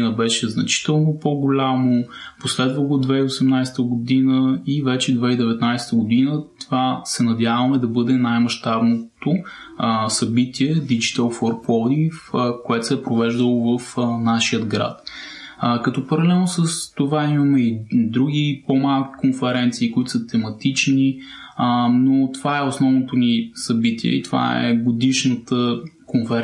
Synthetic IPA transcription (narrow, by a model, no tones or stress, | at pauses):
inəbɛʃɛznɐt͡ʃi̥t̪ɛlˠnopoɡolʲamoposlɛd̪vəɡod̪vɛiosɛmnajsɛ̥t̪əɡod̪inəivɛt͡ʃɛd̪vɛid̪ɛvɛt̪najsɛ̥t̪əɡod̪inət̪ovasɛnɐd̪ʲjavɐmɛd̪ɐbɤd̪ɛnajmɐʃt̪abnot̪o | sɐbit̪iɛd̪id͡ʒit̪əlˠfɔɾpɔlˠd̪ifkoɛt̪o̥sɛpɾovɛʒd̪əlˠovəfnaʃijəd̪ɡɾa̰t̪ | kɐt̪ɔpɐɾɐlɛlˠnosəst̪ovaimɐmɛid̪ɾuɡʲipomalˠkʲi̥konfɛɾɛnt̪siːkoit̪ʊsət̪ɛmɐt̪it͡ʃni | not̪ovaɛosnɔvnot̪onisɐbit̪iɛ̰ḭt̪ova̰ɛ̰ɡod̪iʃnət̪əkonfɛɾ